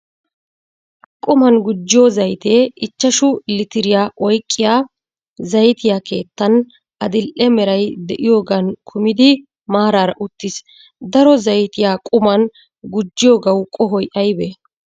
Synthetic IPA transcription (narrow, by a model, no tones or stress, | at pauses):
kʼʊmɐnɡʊd͡ʒːɪjoːzɐjt̪e̞ːʔɪt͡ʃːɐʃʊlɪt̪ɪɾɪjaːʔɔjkʼːɪjaː | zɐjt̪ɪjaːke̞ːt̪ːɐn | ʔɐd̪ɪlʔɛmɛɾɐjd̪ɛʔɪjo̞ːɡɐnkʰʊmɪd̪ɪ | maːɾaːɾɐʔʊt̪ːɪs | d̪ɐɾɔzɐjt̪ɪjaːkʼʊmɐn | ɡʊd͡ʒːɪjo̞ːɡɐwkʼɔɦɔjʔɐjbe